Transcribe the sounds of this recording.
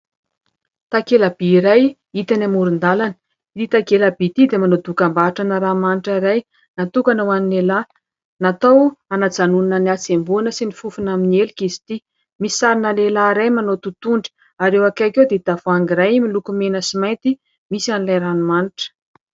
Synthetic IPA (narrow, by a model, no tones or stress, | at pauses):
t̪akelabiiɾaj | it̪anamuɾund̪alanə̥ | t̪it̪akelabit̪id̪emanod̪ukambaaʈ͡ʂanəɾamaniʈ͡ʂaiɾaj | nat̪ukanawaninela | nat̪awanad͡zanuninəniat͡sembuanəsinifufunaminielikizi̥t̪i | misi̥saɾinəlelaɾajmanot̪ut̪uɳɖ͡ʐə̥ | aɾewakakewd̪et̪avoaŋɡiɾajmilukumenəsimajnt̪i | misianilajɾanumaniʈ͡ʂə̥